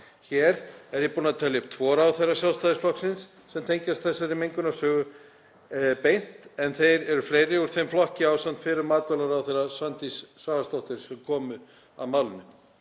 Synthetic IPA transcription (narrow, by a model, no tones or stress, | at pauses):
çɛːɾɛɾjɛpuːnat̪ʰɛljɪpt̪ʰvɔːɾaawθejrːasjalst̪aːðɪsflɔhksɪnsːɛmt̪ʰejɲcast̪θɛsːaɾɪmejŋkʏnasœːɣʏ | pejn̥t̪ɛnθejɾɛɾʏfleːjɾɪuɾ̥θejmflɔhcɪawsam̥t̪fɪːɾʏɾmaːt̪œlaɾawθejrːasvant̪isːaːvast̪owht̪ɪɾ̥sɛmkʰɔːmʏ | a̰ðmaːwlʏnːʏ